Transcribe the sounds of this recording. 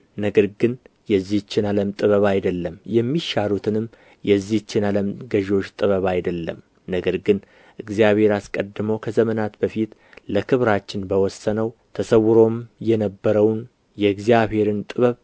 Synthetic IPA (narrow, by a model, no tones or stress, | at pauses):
nəɡəɾɡɨn | jɛzːiht͡ʃːɪnaləmt̪ʼɨβəβajd̪əlːəmjɛmːiʃaɾut̪ʰɨnɨmː | jɛzːihɨt͡ʃːɪnaləmɡəʒo̞t͡ʃːt̪ʼɨβəβajd̪əlːə̰m | nəɡəɾɡɨn | ʔɨɡzijaβhe̞ɾaskʼəd̪ːɨməwkʰəzəmənat̪bəfit̪ləkʰɨβɾat͡ʃːɪnbəwɔsːənəwt̪ʰəsəwːɨɾo̞mjɛnəbːəɾəwn | jɛɨɡzijaβhe̞ɾɨnt̪ʼɨβəβ